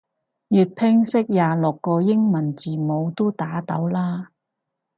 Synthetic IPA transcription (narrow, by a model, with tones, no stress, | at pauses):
jyː˨t̚pʰɪ˥ŋsɪ˥k̚jaː˨lʊ˨kːɔː˧jɪ˥ŋmɐ˨˩nt͡siː˨mo˨˧wt̪o˥t̪aː˨˥t̪ɐ˨˥wlaː˥